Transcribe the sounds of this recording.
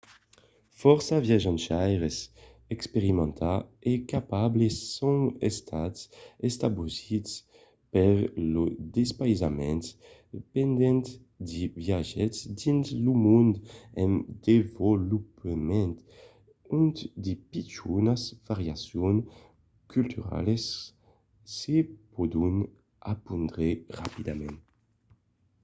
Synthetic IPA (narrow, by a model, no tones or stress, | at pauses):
fɔʁsavjaʒãnt͡ʃajʁes | ɛkspeʁimɑ̃nt̪ʰaɛkapablesõŋḛst̪ʰatsest̪abuzis | pɛɾlod̪espajzamɛ̃n | pɛnd̪ɛnt̪ | d̪ivjaʒɛsd̪inzlumund̪ɛnd̪evolupemɛnt̪ | unt̪d̪ipit͡ʃunasvaɾjasjon | kʰylt̪ʰyɾa̰lesː | epɔd̪un | apund̪ʁeʁapid̪amɛ̃n